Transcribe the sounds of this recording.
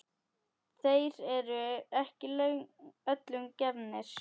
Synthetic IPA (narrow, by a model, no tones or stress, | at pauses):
θejɾɛɾʏɛhcɪlœœt̪lʏŋcɛvnɪɾ̥